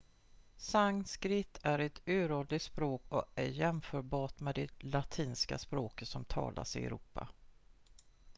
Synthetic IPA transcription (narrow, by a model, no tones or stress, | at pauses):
saŋskɾɪt̪ʰːæɾɛt̪ʉ̟ːɾoːd̪lɪt̪spɾoːkɔæɾjɛmfœːɾbɑːʈmɛd̪ɛlat̪ʰiːnska̰spɾoːkət̪sɔmt̪ʰɑ̰ːlʔa̰sɪɛ̰ɾuːpːa̰